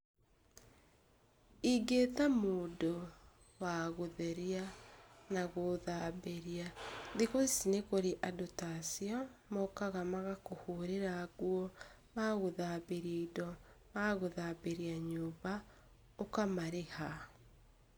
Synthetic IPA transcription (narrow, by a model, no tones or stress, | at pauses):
iɡeːtamoːdo | waɣoðeɾianaɣoðaːbeɾiaðeɣosinekoɾeʔadotasiɔmɔkaɣamaɣakohoɾeɾaɣwɔ | maɣoðabeɾiidɔ | maɣoðabeɾiaɲoːβa | okamaɾeha